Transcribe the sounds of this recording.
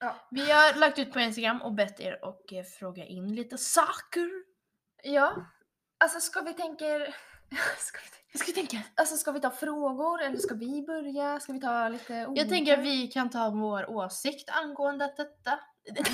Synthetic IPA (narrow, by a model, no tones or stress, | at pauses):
vɪhaɾlak̚t̪ʉ̟ːt̪̚pʰɔɪns̬t̪aɡɾamːʔɔkbɛt̪ːḛːɾɔ̰kfɾoːɡaʔɪnːliːt̪əsɑːkəɾ | jɑː | alsɔskavɪt̪ʰɛŋkəɾ | skavɪvaskavɪt̪ʰɛŋkaalsɔskavɪt̪ʰɑːfɾoːɡʊɾɛlːəʂskavɪbœɾjaskavɪt̪ʰɑːliːt̪əujɑːɡ̚t̪ʰɛŋk̬əɾavɪkʰant̪ʰɑːvoːɾʔoːsɪkt̪ʰanɡoːənd̪əat̪̚d̪ɛt̪ːa